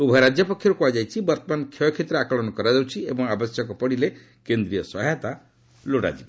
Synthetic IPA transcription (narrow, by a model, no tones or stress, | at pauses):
ubʱaɾad͡ʒjɔpɔkʰjɔɾukuad͡ʒajt͡ʃʰibɔɾt̪ɔmankʰjɔkʰet̪ɾɔakɔɭɔnɔkɔɾad͡ʒawt͡ʃʰiebɔŋabɔsjɔkɔpɔɽ̃ile | kend̪ɾijɔsɔɦajt̪a | loɽa̰d͡ʒib